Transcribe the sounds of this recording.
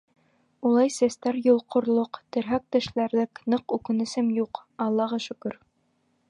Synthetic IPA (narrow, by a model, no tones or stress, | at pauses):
ulˠɑjsæst̪æɾjŏlˠqʰŏɾlˠoqt̪ɘ̆ɾɦæk̚t̪ɘ̆ʃlæɾlɘknɤqʉkɘ̆nɘ̆sɘmjuqɑlˠːɑʁɑʃɵ̆kɵɾ